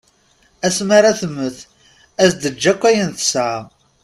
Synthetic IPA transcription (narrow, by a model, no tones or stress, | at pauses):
æsmaɾaθəmːəθ | æsd̪əd͡ʒːækʷːæjənθə̥sa